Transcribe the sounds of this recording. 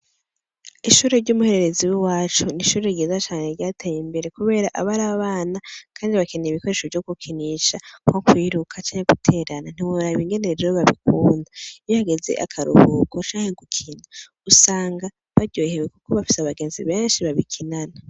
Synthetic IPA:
iʃuːɾeɾɟumuhe̞ɾe̞ɾe̞ziwiwaːt͡ʃuniʃuːɾeɟeːzat͡ʃaːne̞ɾɟaːtʰejimbe̞ɾe̞kuβe̞ːɾaʔaβaɾaβaːnakʰaːndiβakeneiβiko̞ɾe̞ʃovɟo̞ɡukʰiniʃakhokwiːɾukʰat͡ʃaːɲheɡutʰe̞ːɾanan̥iwoɾaβiŋɡe̞neɾeɾeɾoβaβikuːndaijohaɡe̞ze̞̰ʔa̰kʰaɾṵhukʰot͡ʃaːŋheɡukʰina | usaːŋɡa | βaɾɟoːhewekuko̞βafi̥saβaɡe̞ːnzḭβeːnʃiβaβikʰinana

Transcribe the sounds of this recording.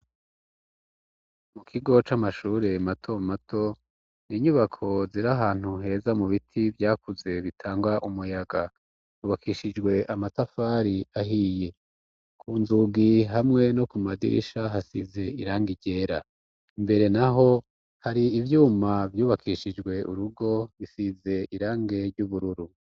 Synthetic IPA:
mukʰiɡo̞t͡ʃamaʃuːɾe̞matʰo̞matʰo̞ | niːɲuβakʰo̞ziɾaɦaːn̥huɦe̞ːzamuβitʰivjaːkuze̞βitʰaːŋɡwaʔumujaɡa | uːβakʰiʃid͡ʒɡwe̞ʔamatafaːɾiaɦiːje̞ | kʰuːnzuɡiɦamŋe̞no̞kumadḭʃaɦasize̞iɾaːŋɡiɟe̞ːɾa | imbe̞ɾe̞naɦo̞ | haɾiːvjuːmavjuːβakʰiʃid͡ʒɡwe̞ʔṵɾuɡo̞βisize̞iɾaːŋɡe̞ɾɟuβuɾuɾu

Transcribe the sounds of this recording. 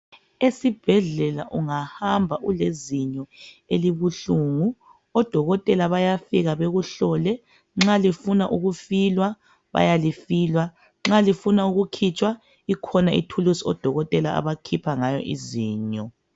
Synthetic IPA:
esib̥ʱɛɮɛla̰ʔuŋahambʱaʔuleziɲɔ | eliβuɬuŋu | ɔd̥ʱɔɣɔtʼɛlaβajafiɣaβeɣuɬɔlɛ | ŋ͡ǁalifunaʔuɣufilwa | βa̰jalifiːlwa | ŋ͡ǁalifunauɣukʰit͡ʃʼwa | ikʰɔnaḭtʰulusiɔ̰d̥ʱɔɣɔtʼɛlaa̰βakʰipʰaŋajɔ̰ʔiziːɲɔ

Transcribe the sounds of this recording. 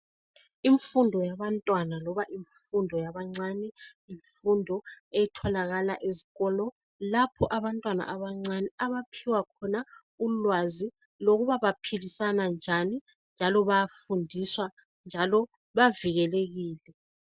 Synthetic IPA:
iɱfundʱɔjaβantʼwanalɔβaʔiɱfundʱɔjaβaŋ͡ǀanɛ | iɱfundʱɔɛtʰɔlaɣalaʔeziɣɔlɔ | lapʰɔʔaβantʼwana̰ʔaβaŋ͡ǀanɛaβapʰiwakʰɔna | ulwazi | loɣuβaβapʰilisanand͡ʒʱani | nd͡ʒʱalɔβajafundʱiswa | nd͡ʒʱalɔ | βaviɣɛleɣiːlɛ

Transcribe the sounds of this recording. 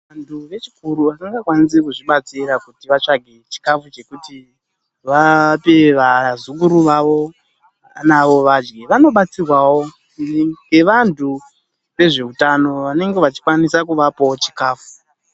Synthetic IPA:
ʋantʰuʋe̞t͡ʃi̥kuɾuʋakaŋɡakwanis̬ikuʐiɓat͡siɾakutiʋat͡ʂaɡʱe̞t͡ʃi̥kafut͡ʃe̞kuti | ʋapeʋazuk̬uɾuʋaʋo̞ | naʋo̞ʋad͡ʒɡeʋano̞ɓat͡sirwawo̞ | iniɡe̞ʋantʰu | ʋe̞ʐe̞utano̞ʋane̞ŋɡe̞ʋat͡ʃi̥kwanisakuʋapawot͡ʃikaːfu̥

